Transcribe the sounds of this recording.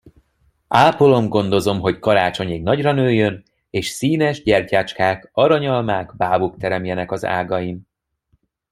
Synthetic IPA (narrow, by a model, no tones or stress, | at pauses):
aːpolomɡo̞nd̪o̞zo̞mɦo̞ckɒɾaːt͡ʃo̞ɲiɡnɒɟrɒnøːjːøn | eːʃsiːnɛʒɟɛrcaːt͡ʃkaːkɒɾɒɲɒlmaːɡbaːvuk̚t̪ɛɾɛmjɛnɛkɒza̰ːɡɒjim